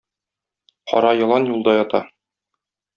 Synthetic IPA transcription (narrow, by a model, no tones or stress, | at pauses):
qɒ̰ɾɑjɒlˠɑnjulˠd̪ɑjɒt̪ɑ